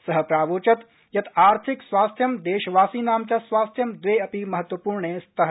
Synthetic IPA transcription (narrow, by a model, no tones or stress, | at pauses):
sɐɦəpɾaːʋoːt͡ʃɐt̪ | jɐt̪ʰaːɾt̪ʰiksʋaːst̪ʰjɐmd̪eːʃʋaːsiːnaːmt͡ʃɐsʋaːst̪ʰjɐmd̪ʋeːɐpimɐɦət̪ːʋɐpuːɾɳeːst̪ʰɐɦ